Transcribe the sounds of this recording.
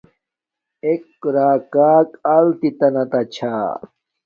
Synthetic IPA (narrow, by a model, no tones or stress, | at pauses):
ekːɾaːkaːkɐlt̪it̪ɐnɐt̪ɐt͡ɕʰaː